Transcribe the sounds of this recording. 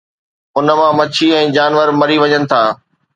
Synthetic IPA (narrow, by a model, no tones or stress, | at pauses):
ʊnəmãmɐt͡ɕʰiɛ̃ːd͡ʑaːnʋəɾmɐɾiʋɐɲənɪ̆t̪ʰaː